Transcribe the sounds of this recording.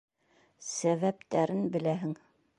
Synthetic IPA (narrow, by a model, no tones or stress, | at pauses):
sæβæpt̪æɾɘnbɘ̆læɦɘŋ